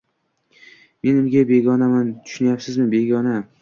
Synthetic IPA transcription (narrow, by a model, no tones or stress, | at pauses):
me̞nʊmɡʲabe̞ɡʲɒnamant̪ʰʊ̥ʃʊnajapsɪzmɪbe̞ɡʲɒna